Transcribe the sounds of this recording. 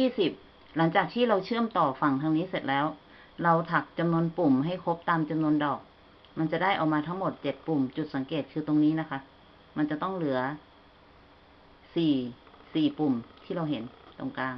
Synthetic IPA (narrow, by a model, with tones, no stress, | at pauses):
jiː˥˩si˨˩p̚ | la˩˦ŋt͡ɕaː˨˩k̚t̪ʰiː˥˩ɾa˧wt͡ɕʰɯ˥˩əmt̪ɔː˨˩fa˧˩ŋt̪ʰa˧ŋniː˦˥˨se˨˩t̪̚lɛː˦˥w | la˧wt̪ʰa˨˩k̚t͡ɕa˧mnu˧˥ənpu˨˩mɦa˥˩jkʰo˦˥p̚t̪aː˧mt͡ɕa˧mnu˧əndɔː˨˩k̚ | ma˧nt͡ɕa˨˩da˥˩jʔa˨˩wmaː˧t̪ʰa˦˥ŋmo˨˩t̪̚t͡ɕe˨˩t̪̚pu˨˩mt͡ɕu˨˩t̪̚sa˨˦ŋkeː˨˩t̪̚kʰɯː˧t̪o˧ŋniː˦˥˨na˦˥kʰa˦˥ | ma˧nt͡ɕa˨˩t̪ɔ˥˩ŋlɯ˩˦ɐ | siː˨˩ | siː˨˩pu˨˩mt̪ʰiː˥˩ɾa˧wɦe˨˩˦nt̪o˧˩ŋkaː˧ŋ